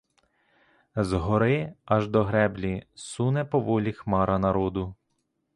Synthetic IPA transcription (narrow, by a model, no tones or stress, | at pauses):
zɦɔɾɪɐʒd̪ɔɦɾɛblʲisunɛpɔʋɔlʲixmɑɾɐnɐɾɔd̪ʊ